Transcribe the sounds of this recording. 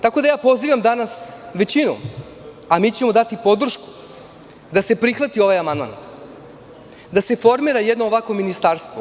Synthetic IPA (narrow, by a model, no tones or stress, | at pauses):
t̪ako̞d̪ajaːpo̞ziːʋamd̪anasʋe̞t͡ɕinṵ | amiːt͡ɕe̞mo̞d̪at̪ipo̞d̪r̩ʃku̥ | d̪ase̞pɾixʋat̪io̞ʋajamand̪ma̰n | d̪ase̞fo̞ɾmiːɾajed̪noːʋako̞minist̪aɾst̪ʋo